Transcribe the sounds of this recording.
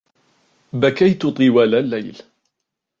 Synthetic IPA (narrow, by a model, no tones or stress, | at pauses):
bakajt̪ʊt̪ˤɨwaːlalːajl